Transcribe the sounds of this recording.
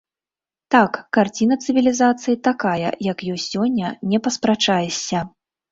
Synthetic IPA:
t̪akːart͡sʲinɐt̪sɨvʲilʲizat̪sɨjit̪akajɐ̰jɐkjɔjʲsʲːɔnʲːɐnʲɛpɐspɾat͡ʂajɛsʲːɐ

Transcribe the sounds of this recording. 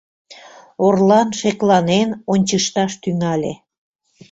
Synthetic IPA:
orlɑnʃeklɑnenonʲt͡ɕəʃt̪ɑʃt̪yŋɑlʲḛ

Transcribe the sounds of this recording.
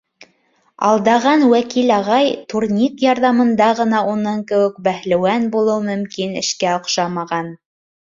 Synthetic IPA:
ɑ̰lˠd̪ɑʁɑnwækilɑʁɑjt̪uɾnʲikjɑɾðɑmɤ̆nd̪ɑʁɤ̆nɑʔunɤŋkɘ̆wɘk̚bæhlɘ̆wænbulˠɤwmɵ̆mkinɘ̰̆ʃkæŏqʃɑmɑʁɑn

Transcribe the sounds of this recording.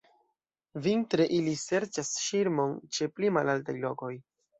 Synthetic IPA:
vintɾe̞ʔilise̞ɾt͡ʃasʃiɾmo̞nt͡ʃe̞plimalaltajlo̞ko̞j

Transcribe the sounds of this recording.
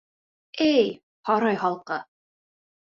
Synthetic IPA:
æj | hɑɾɑjhɑlˠqɤ

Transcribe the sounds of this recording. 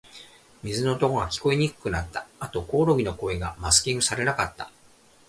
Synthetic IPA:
mʲizɨno̞ːt̪o̞koɡakʲi̥ko̞eɲ̟ikɯ̟̥kɯ̟nat̪ːaat̪o̞ko̞ːɾo̞ɡʲino̞ko̞ːeɡamasɨ̥kʲĩŋɡɯ̟saɾe̞nakat̪ːḁ

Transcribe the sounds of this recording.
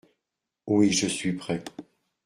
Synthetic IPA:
wiʒəsɥipχɛ

